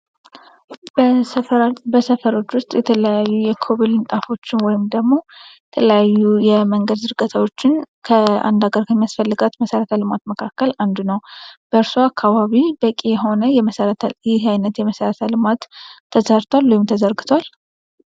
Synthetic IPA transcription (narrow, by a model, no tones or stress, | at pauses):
b | bəsəfəɾo̞t͡ʃːwʊst̪ʼjɛt̪ʰələjajːujɛkʰo̞βilɨnt̪ʼafo̞t͡ʃːɪnwɔjɪmd̪əɡmo̞jɛt̪ʰələjajːujɛməŋɡəd̪zɨɾɡət̪ʰawo̞t͡ʃːɪnkʰəa̰nd̪aɡəɾkʰəmːijasfəlːɨɡat̪məsəɾət̪ʰalɨmat̪məkʰakːəland̪unəwb̥əɨɾsuakʰːaβaβibəkʼijɛɦo̞nəjɛməɾʰjɪɦajnət̪jɛməsəɾət̪ʰalɨmat̪ʰːəzəɾt̪ʰwalwojɪmt̪ʰəzəɾɡɨt̪ʰwal